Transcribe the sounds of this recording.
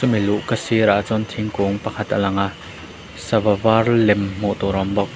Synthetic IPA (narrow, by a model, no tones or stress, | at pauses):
sumiluʔkəsiɾaʔt͡sɔnt̪ʰiŋkuŋpɐkʰɐt̪ʔalɐŋaʔ | sɐvavarlɛmm̥uʔt̪ɔɾɔmbɔk̚